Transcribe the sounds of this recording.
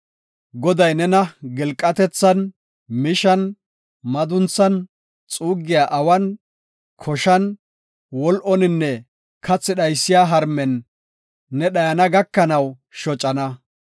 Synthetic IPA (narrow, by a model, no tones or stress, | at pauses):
ɡɔd̪ɐjnɛnɐɡɛlkʼːɐt̪ɛt͡sːɐn | mɪʃɐn | mɐd̪ʊnt͡sːɐn | t͡sʼuːɡːɪjaːʔɐwɐn | kʰɔʃɐn | wɔlʔɔnɪnːɛ | kʰɐt͡sːɪɗɐjsːɪjaːɦɐɾmɛnː | ɛɗɐjɐnɐɡɐkːɐnɐw | ʃɔt͡ʃʼːɐnɐ